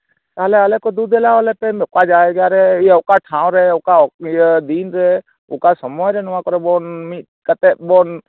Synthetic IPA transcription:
t̪aɦlɛalɛkɔd̪ud̪ɛlaɔlɛpɛmkad͡ʒaɛɡjaɾɛiʊkaʈʰãw̃ɾɛʊkad̪inɾɛ | ʊkasɔmɔjɾɛnɔwakɔɾɛbɔnmit̪̚kat̪ɛʔ̚bɔn

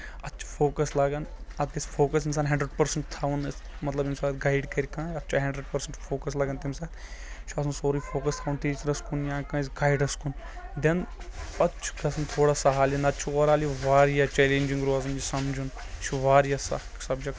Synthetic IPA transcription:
ɐt̪ːt͡ʃʰfʰoːkɐslaːɡɐnɐt̪̚kɐsʲfʰoːkɐs̬ins̬aːnɦɐɳɖɾəɖpɐɾsɐɳʈt̪ʰaːʋunmɐt̪lɐbimsaːd̪ɡaːɪɖkɐɾʲkãːɐtːt͡ʃʰaɦɐɳɖɾeɖpɐɾsɐ̃ɳʈfʰoːkɐslaːɡɐnt̪imsaːd̪t͡ʃʰɐsɐnsoːɾiːfʰoːkɐst̪ʰaːʋunt̪iːsɾɐskunjãːkãːs̬ɡaːjɖɐskund̪ɐnɐtːt͡ʃʰkɐsnt̪ʰoːɽaːsɐɦaːlinɐt̪ːt͡ʃʰuoːɾaːliʋaːɾjat͡ʃɛːleːɲʲd͡ʒiŋɡɾuaːzɐnd͡ʒisɐmd͡ʒʱun | t͡ʃʰuʋaːɾjaːsɐ̰ | sɐbd͡ʒɐk

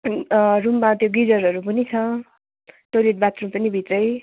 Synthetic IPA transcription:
rumːat̪joɡid͡zʌɾɦʌɾupʌnit͡sʰʌ | ʈoleʈ̚bat̪rumpʌnibʱit̪rʌj

